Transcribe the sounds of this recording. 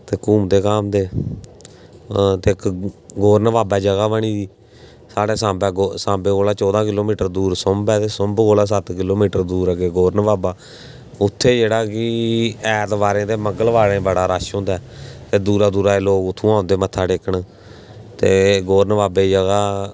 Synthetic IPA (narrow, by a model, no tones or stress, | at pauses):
t̪eːkuːmd̪eːkaːmd̪eː | t̪eːkɡoːɾnʋaːbɛːd͡ʒəɡaːbəɳiːd̪iː | saːɽeːsãːbɛːɡosãːbeːkoːlaːt͡ʃɔːd̪ãːkɪloːmiːʈəɾd̪uːɾsʊmbɛːt̪eːsʊmbkoːlaːs̬ət̪kɪloːmiːʈəɾd̪uːɾəɡeːɡoːɾnʋaːbaː | ʊt̪ʰːeːd͡ʒeːɽaːkɪɛːt̪ʋaːɾẽːd̪eːməɡəlʋaːlẽːbəɽaːɾaːʃɦõːnd̪aːt̪eːd̪uːɾaːd̪uːɾaːeːloːkʊt̪ʰːũːãːʊnd̪eːmət̪ʰːaːɖeːkəɳ | t̪eːɡoːɾnʋaːbeːd͡ʒəɡaː